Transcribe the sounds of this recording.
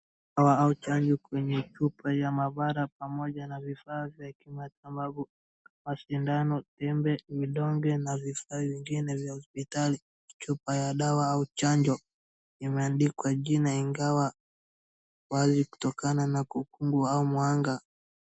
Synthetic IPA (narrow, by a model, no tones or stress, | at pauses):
awaaut͡ʃaɲd͡ʒɔkwɛɲɛt͡ʃupajamaɓaɾap̚amɔʄanavifaːvjakimatambaɓu | maʃindanɔtɛmbɛviɗɔŋɡɛnavifaːviŋɡinɛvjahɔspitali | t͡ʃupajaɗawaaut͡ʃaɲd͡ʒɔ | imɛandikwaʄinaiŋɡawa | waziku̥tɔkananakukuŋɡuaumwaŋɡa